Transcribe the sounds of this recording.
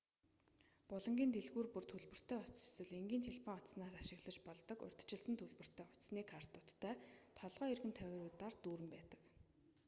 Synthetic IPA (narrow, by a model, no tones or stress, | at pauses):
pʊɮɞ̆ŋɡʲiːnt̪eɮɣuːrpɵrt̪ʰɵɮpɵ̆r̥t̪ʰeːʊt͡ɕse̥swɘ̆ɮeŋɡʲiːnt̪ʰeɮpʰɔŋɔt̪snaːsaʃɪ̆ɣɮə̆t͡ɕpɔɮt̪ɞ̆kʊ̰r̥ʲt̪̆ʰt͡ɕɪ̆ɮsə̆nt̪ʰɵɮpɵ̆r̥t̪ʰœːʊt͡ɕsniːkʰar̥t̪ʊːt̪ːʰæːt̪ʰɔɮʁœːirɣɘ̆nt̪ʰæwʲɪːɾʊːt̪aːrt̪uːɾɘ̆mpæːt̪ə̥̆k